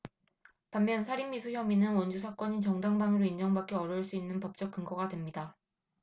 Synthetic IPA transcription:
pamːjʌnsʰaɾimːisʰuçjʌminɯnwʌnd͡ʑusʰak͈ʌɲit͡ɕʌŋdaŋbaŋɯɾoind͡ʑʌŋbak͈eʌɾʌɭs͈uinːɯnpʌp̚t͡ɕ͈ʌk̚k͈ɯŋɡʌɡadwe̞mɲida

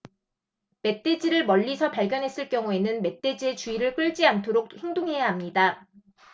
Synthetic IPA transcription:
me̞t͈e̞d͡ʑiɾɯɭmʌʎːisʰʌpaɭɡjʌnɦe̞s͈ɯɭk͈jʌŋue̞nɯnme̞t͈e̞d͡ʑie̞t͡ɕuiɾɯɭk͈ɯɭd͡ʑiantʰoɾok̚heŋdoŋɦe̞jaɦamɲida

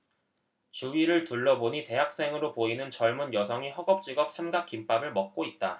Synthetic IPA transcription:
t͡ɕuiɾɯɭtuɭːʌboɲite̞ɦak̚s͈e̞ŋɯɾopoinɯnt͡ɕʌɭmunjʌsʰʌŋiɦʌɡʌp̚t͡ɕ͈iɡʌp̚sʰemɡak͈imp͈abɯɭmʌk̚k͈oit̚t͈a

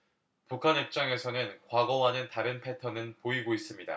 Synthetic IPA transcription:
pukʰanɦip̚t͡ɕ͈aŋe̞sʰʌnɯnkwaɡʌwanɯntaɾɯnpʰe̞tʰʌnɯnpoiɡois͈ɯmɲida̰

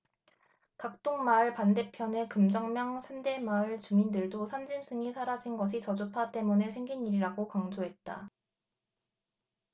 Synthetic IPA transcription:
kak̚t͈oŋmaɭpande̞pʰjʌne̞kɯmd͡ʑʌŋmjʌŋsʰande̞maɯɭt͡ɕumindɯɭdosʰand͡ʑims͈ʰɯŋisʰaɾad͡ʑinɡʌɕ̬ʰit͡ɕʌd͡ʑupʰat͈e̞munɯɭsʰe̞ŋɡiniɾiɾaɡokaŋd͡ʑoɦe̞t̚t͈a

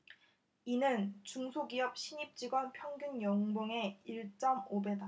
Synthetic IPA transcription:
inɯnt͡ɕuŋsʰoɡiʌp̚ɕʰiɲip̚t͡ɕ͈iɡwʌnpʰjʌŋɡjunjʌŋboŋe̞iɭt͡ɕ͈ʌmobe̞da

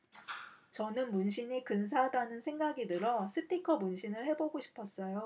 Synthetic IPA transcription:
t͡ɕʌnɯnmunɕʰiɲikɯns̬ʰadanɯnsʰe̞ŋɡaɡinɯɾʌsʰɯpʰikʰʌmunɕʰinɯɭhe̞boɡoɕʰi̥pʰʌs͈ʌjo

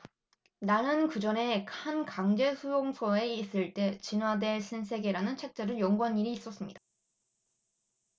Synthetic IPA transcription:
nanɯnkɯd͡ʑʌne̞kankaŋd͡ʑe̞sujoŋsʰʌe̞is͈ɯɭt͈e̞t͡ɕinwade̞ɕʰinsʰe̞ɡeɾanɯnt͡ɕʰe̞k̚t͡ɕ͈eɾɯjʌŋɡuɦaɲiɾiːs͈ʌs͈ɯmɲid̥a

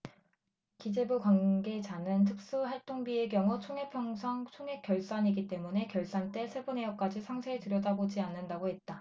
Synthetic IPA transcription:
kid͡ʑe̞bukwanɡe̞d͡ʑanɯntʰɯk̚s͈uhaɭt͈oŋbie̞ɡjʌŋut͡ɕʰoŋe̞pʰjʌŋsʰaŋt͡ɕʰoŋɦe̞k͈jʌɭs͈aɲiɡit͈e̞mune̞kjʌɭs͈ant͈e̞sʰe̞bune̞jʌp̚k͈ad͡ʑisʰaŋsʰeːtɯɾjʌdabod͡ʑianːɯndaɡohe̞t̚t͈a

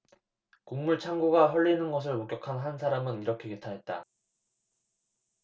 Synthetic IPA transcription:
kuŋmuɭt͡ɕʰaŋɡuɡaɦʌɭːinɯnɡʌs̬ʰɯɭmok͈jʌkʰanɦansʰaɾamɯniɾʌkʰe̞ketʰaɦe̞t̚t͈a̰

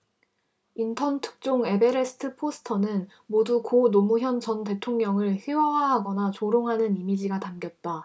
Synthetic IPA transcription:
intʰʌntʰɯ̥k̚t͡ɕ͈oŋe̞be̞ɾe̞sʰɯ̥tʰɯpʰosʰɯ̥tʰʌnɯn | modukonomuçjʌnt͡ɕʌnt̬e̞tʰoŋɲʌŋɯɭçiwawaɦaɡʌnat͡ɕoɾoŋɦanɯnimid͡ʑiɡatamɡjʌt̚t͈a

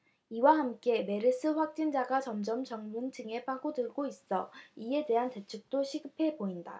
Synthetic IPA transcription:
iwahamk͈e̞me̞ɾɯs͈ʰɯɸwak̚t͡ɕ͈ind͡ʑaɡat͡ɕʌmd͡ʑʌmt͡ɕʌŋmɯntʰɯŋe̞paɡodɯɭɡois͈ʌ̰ie̞de̞ɦante̞t͡ɕʰuk̚t͈oɕʰiɡɯpʰe̞boinda̰

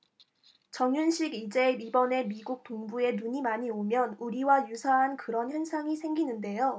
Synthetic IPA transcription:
t͡ɕʌŋjunɕʰiɡid͡ʑe̞ibʌne̞miɡuk̚toŋbue̞nuɲimaɲiomjʌnuɾiwajusʰaɦankɯɾʌnçjʌnsʰaŋisʰe̞ŋɡinɯnde̞jo

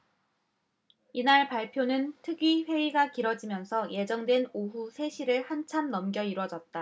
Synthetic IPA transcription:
inaɭpaɭpʰjonɯntʰɯɡiɸwe̞iɡakiɾʌd͡ʑimjʌnsʰʌje̞d͡ʑʌŋdwe̞noɦusʰe̞ɕʰiɾɯɭhant͡ɕʰamnʌmɡjʌiɾwʌd͡ʑʌt̚t͈a

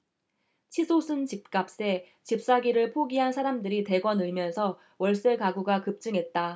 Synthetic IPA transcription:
t͡ɕʰisʰosʰɯnt͡ɕip̚k͈ap̚s͈e̞ | t͡ɕip̚s͈aɡiɾɯɭpʰoɡiɦansʰaɾamdɯɾite̞ɡwʌnɯɭmjʌnsʰʌ | wʌɭs͈ekaɡuɡakɯp̚t͡ɕ͈ɯŋɦe̞t̚t͈a

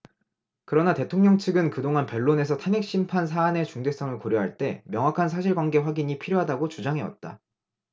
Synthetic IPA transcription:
kɯɾʌnate̞tʰoŋɲʌŋt͡ɕʰɯɡɯnkɯdoŋanpʌɭːone̞sʰʌtʰane̞k̚ɕ͈impʰans̬ʰaːne̞t͡ɕuŋde̞s͈ʌŋɯɭkoɾjʌɦaɭt͈e̞mjʌŋwakʰansʰaɕ̬ʰiɭɡwanɡe̞ɸwaɡiɲipʰiɾjoɦadaɡot͡ɕud͡ʑaŋɦe̞wa̰t̚t͈a̰

